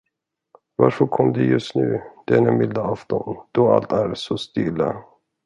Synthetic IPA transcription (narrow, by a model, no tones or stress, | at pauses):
vaɾfœɾkʰɔmːd̪ɛjɵst̪nʉ̟ːd̪̥ɛænɛmɪld̪aaft̪ɔnd̪̥ɔalt̪æɾsɔst̪iːla̰